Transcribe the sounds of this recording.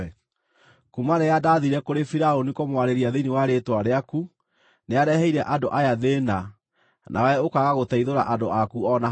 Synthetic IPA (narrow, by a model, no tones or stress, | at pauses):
kumanejadaːðiɾɛkoɾefiɾaonikomwaɾeɾiaðeniwaɾetwaɾeaku | neaɾɛhɛiɾɛʔadoʔajaðena | nʔa̰wɛokaɣaɣotɛiðoɾa̰ʔadoʔakuɔna